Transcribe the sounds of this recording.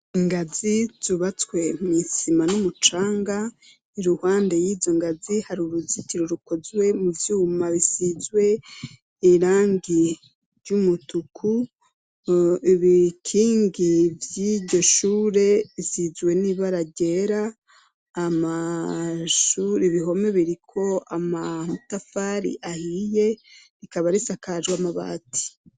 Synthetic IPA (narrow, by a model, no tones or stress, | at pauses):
iŋɡaziz̥uβat͡swe̞misimanumut͡ʃaːŋɡa | iɾuhaːnde̞jizo̞ŋɡazihaɾuɾuziciɾoɾuko̞zwe̞muvjuːmaβisizɡwe̞ | iɾaːŋɡi | ɾɟumutukʰu | iβikʰiːŋɡivjiɟo̞ʃuːɾe̞izizwe̞niβaɾaɟe̞ɾaː | ma | ʃuɾiβiɦo̞meβiɾikʰo̞amatafaɾḭʔahije̞ɾikaβaɾisakaʒwamaβa̰ːtʰi̥